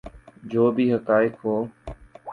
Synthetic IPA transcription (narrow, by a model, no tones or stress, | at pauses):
d͡ʒoːbiːɦəkaːɪkɦoː